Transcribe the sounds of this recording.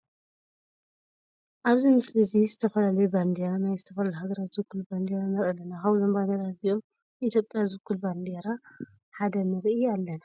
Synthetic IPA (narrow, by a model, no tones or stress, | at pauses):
ʔaβzimɨslizizɨt̪ʰɐfɐlalɐjuband̪eɾanajzɨt̪ʰɐfɐlajuɦaɡɐɾat̪zɨkʰːulband̪eɾanɐɾɐlːɐnakaβlo̞mband̪eɾaziʔo̞m | ʔit̪ʰjo̞pʼjazɨɡːulband̪eɾa | ħad̪ɐnɨɾʔɨalːɐna